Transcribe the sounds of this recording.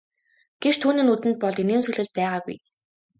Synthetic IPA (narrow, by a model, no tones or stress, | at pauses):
ɡ̥et͡ɕt̪ʰuːniːnut̪ɘ̆nt̪̚pɔɮt̪ineːmsɵ̆ɮɘ̆ɮ̚pæːʁaːɣṵj